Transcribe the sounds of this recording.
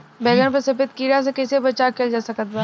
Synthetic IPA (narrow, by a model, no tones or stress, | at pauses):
bɛːɡəñpəɾsɪpɪt̪kiːɾas̬ekɛsebɐt͡ʃakʰeld͡ʒaːsɐkət̪̚ba